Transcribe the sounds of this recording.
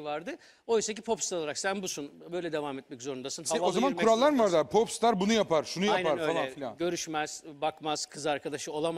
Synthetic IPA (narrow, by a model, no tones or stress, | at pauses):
vaɾd̪ɯ | o̞jusecʰipʰo̞pst̪ʰaɾolˠaɾaksænbusunbø̞jlʲɛd̪evaːmɛt̪̚mɛczo̞ɾund̪asɯnavozamankʰuɾalˠːaɾvaɾd̪apʰopst̪ʰaɾbunujapaɾʃunujajnaɾɛfalˠafianɟø̞ɾyʃmɛz̥bakmaz̥kʰɯzɯaɾkʰad̪aʃɯo̞lˠam